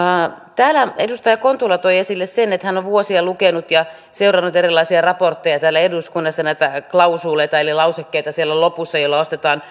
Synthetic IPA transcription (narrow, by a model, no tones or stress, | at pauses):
t̪æːlæedust̪ɑjɑkont̪ulːɑt̪oiesilːessenet̪hænoʋʋuosiɑlukenut̪jɑ | seurɑnːut̪erilːˑɑisiɑrɑport̪ːejɑt̪æːlːæeduskunːɑsːɑnæit̪æklɑusuːleit̪ɑelilɑusekːeijt̪ɑsielːælopusːɑjoilːɑost̪et̪ɑːn